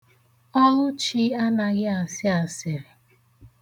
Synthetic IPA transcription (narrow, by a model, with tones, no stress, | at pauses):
ɔ˦lʊ˦t͡ʃi˦a˦na˨ɣɪ˦a˨sɪ˦a˨sɪ˨ɾɪ˨